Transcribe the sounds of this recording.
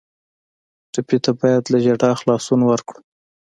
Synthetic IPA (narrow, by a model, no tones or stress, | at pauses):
ʈapet̪abɑjad̪laʒaɖɑxlɑsunawaɾkɽu